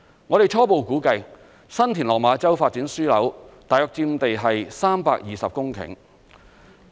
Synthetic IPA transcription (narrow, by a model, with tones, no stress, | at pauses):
ŋɔː˨˧ɾe˨jt͡ʃʰɔː˥po˨wkuː˨˥kɐ˧j | sɐ˥nt̪ʰiː˨˩nlɔː˨k̚maː˨˧t͡sɐ˥wfaː˧t̚t͡siː˨˥nsyː˥lɐ̰˨˥wt̪aː˨jœː˨k̚t͡siː˧m̩˧t̪e˨jɦɐ˨jsaː˥mpa̰ː˧˥k̚jiː˨˩sɐ˨p̚kʊ˥ŋkʰɪ̰˨˩ŋ